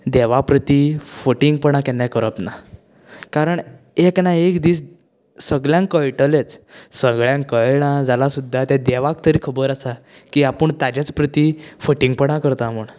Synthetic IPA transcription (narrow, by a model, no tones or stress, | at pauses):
d̪eʋapɾət̪ifəʈiŋɡpəɳ̃akɛnjakəɾəpna | kaɾəɳ | eknaekd̪iːs | səɡɭjãŋkəjʈəlet͡ssəɡɭjãŋkəjɽãd͡zalasud̪ʱːat̪jad̪ɛʋakt̪əɾiːkʰəbəɾasakiːapəɳt̪ad͡ʑat͡spɾət̪ifəʈiŋɡ̚pəɽ̃akəɾt̪aməɳ